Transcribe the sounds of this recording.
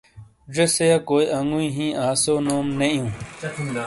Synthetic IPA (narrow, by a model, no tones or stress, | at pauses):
d͡ʑesejakoːjʔɐŋɡuĩːɦĩːʔaːsoːnoːmnɐjũː